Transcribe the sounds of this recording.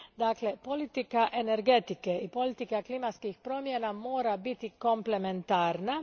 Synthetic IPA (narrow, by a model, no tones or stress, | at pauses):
d̪aːkle̞po̞lit̪ikaʔe̞ne̞ɾɡe̞t̪ikeipo̞lit̪ikaklimat̪skixpɾo̞ːmjenamo̞ːɾabit̪iko̞mple̞me̞nt̪aːɾna